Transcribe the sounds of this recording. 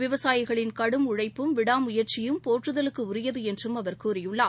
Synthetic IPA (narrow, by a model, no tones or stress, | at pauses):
ʋɪʋɐsaːjɪɣɐɭɪnkɐɽɯmʊɻɐɪpːɯmʋɪɽaːmʊjɐɾt͡ʃɪjɯmpoːʈrɯðɐlɯkːɯʊɾɪjɐðɯɛndrɯmɐʋɐɾkuːɾɪjɯɭːaː